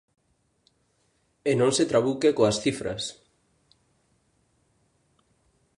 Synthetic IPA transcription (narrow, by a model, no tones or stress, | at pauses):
enõŋset̪ɾaβukekoasθifɾɐ̰s